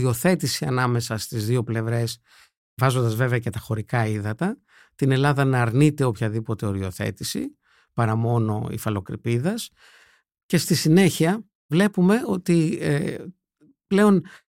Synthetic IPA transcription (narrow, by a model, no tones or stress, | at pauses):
io̞θe̞t̪isiɐnɐme̞sɐst̪izðio̞ple̞vɾe̞s | vɐzo̞nd̪ɐzve̞veɐcet̪ɐxo̞ɾikɐiðɐt̪ɐ | t̪ine̞lɐðɐnɐːɾnit̪e̞o̞pçɐðipo̞t̪e̞o̞ɾio̞θe̞̰t̪isḭ | pɐɾɐmo̞no̞̰ḭfɐlo̞kɾḭpiðɐs | ce̞st̪isine̞çiɐ | vle̞pume̞o̞t̪ie | ple̞o̞n